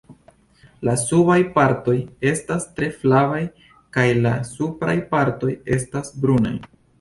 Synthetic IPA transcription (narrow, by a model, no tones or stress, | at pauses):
lasubajpaɾto̞je̞stastɾe̞flavaj | kajlasupɾa̰jpaɾto̞je̞stasbɾuna̰j